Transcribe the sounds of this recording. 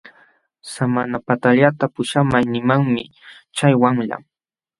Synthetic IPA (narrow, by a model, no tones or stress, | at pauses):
samanapat̪aʎat̪apʊʃamajnɪmaŋmɪ | t͡ʃajwaŋʎa̰m